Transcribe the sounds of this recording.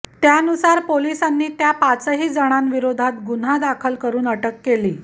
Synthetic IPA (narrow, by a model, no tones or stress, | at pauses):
t̪jaənusaɾpolisanːiːt̪japat͡səɦiːd͡zəɽ̃anʋiɾod̪ʱat̪ɡun̤ad̪akʰəlkəɾuːnəʈəkːeliː